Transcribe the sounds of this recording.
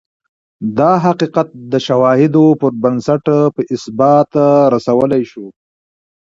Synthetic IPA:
d̪ɑɦaqiqat̪̚d̪əʃawɑhɪd̪opəɾbansaʈpəʔɪsbɑt̪aɾasawəlajʃu

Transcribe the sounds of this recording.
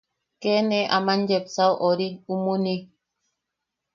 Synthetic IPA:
kɛnɛʔamand͡ʒɛp̚sawʔɔɾiumuni

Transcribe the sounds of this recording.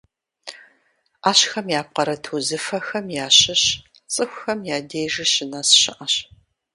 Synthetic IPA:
aːɕxɐmjaːp̚qɐɾɐtʰuzɨfɐxɐmjaːɕɪɕ | t͡sʼɨxʷxɐmjaːdejʒɨɕɪnɐsɕɪʔɐɕ

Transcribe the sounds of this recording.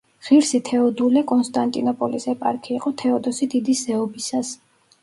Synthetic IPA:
ʁ̥iɾsit̪ʰɛɔd̪ulɛkʼɔnst̪ʼant̪ʼinɔpʼɔlisɛpʼa̰ɾkʰiːqʼɔt̪ʰɛɔd̪ɔsid̪id̪iszɛɔbisas

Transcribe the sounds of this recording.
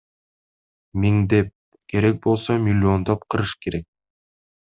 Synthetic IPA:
mʲiŋd̪e̞p̚ | kʰe̞ɾe̞k̚bo̞lˠsomʲɪlʲːiond̪op̚qʰɯɾɯʃkʰe̞ɾe̞k̚

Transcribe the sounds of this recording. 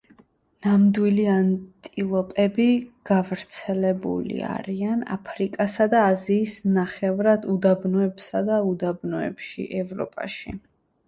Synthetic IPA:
namd̪wiliant̪ʼilˠɔpʼɛbiɡ̥avɾt̪sʰɛlɛbṵlḭa̰ɾiana̰pʰɾikʼasad̪aːziːsnaχɛvɾad̪ud̪abnɔɛbsad̪aud̪abnɔɛ̰pʃḭʔɛvɾɔ̰pʼa̰ʃḭ

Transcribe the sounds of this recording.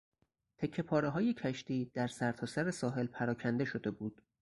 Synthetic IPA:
t̪ʰe̞cʰːe̞pʰɒːɾeɦɒːje̞cʰæʃt̪iːd̪̥æɾsæɾt̪ʰɒːsæɾe̞sɒːɦe̞lpʰæɾɒːcʰænd̪e̞ʃo̞d̪e̞buːd̪̥

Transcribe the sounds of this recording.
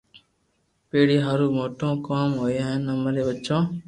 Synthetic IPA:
peːɽiːɦəɾuːmoːʈõːkaːmɦoːẽːɦɛ̃nəmɾeːʋətːt͡ʃãː

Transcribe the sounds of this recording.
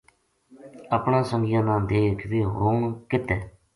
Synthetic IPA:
əpɳãːsəŋɡjãːnãːd̪eːkʰʋiːɦoːɳkɪt̪ɛː

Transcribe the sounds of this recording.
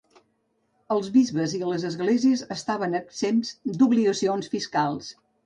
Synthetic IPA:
əlˠzβizβəziləzəzɣleziəzəst̪aβənəksemzd̪uβliɣəsionsfiskalˠs

